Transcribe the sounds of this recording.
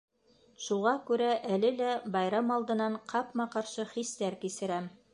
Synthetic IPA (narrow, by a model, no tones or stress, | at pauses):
ʃuʁɑkʉɾæʔælɘlæbɑjɾɑmɑlˠd̪ɤ̆nɑɴqʰɑpmɑqɑɾʃɤχist̪æɾkisɘ̆ɾæm